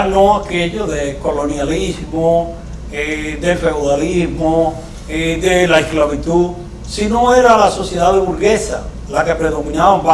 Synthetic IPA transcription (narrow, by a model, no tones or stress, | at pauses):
nõakeʎoðekolonjalizmo | ed̪efewðalismo | ed̪elaesklaβit̪uð | sinoeɾalasosjeðaðeβuɾɣesa̰ | lakepɾeðomĩnaβamba